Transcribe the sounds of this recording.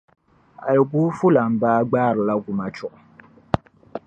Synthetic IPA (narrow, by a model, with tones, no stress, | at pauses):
a̰˨jɪ˨ɡuː˦fu˦la˨m̩˨baː˦ɡ͡baː˦˨ɾɨ˨la˦ɡu˨ma˨t͡ʃʊ˨ʔʊ˨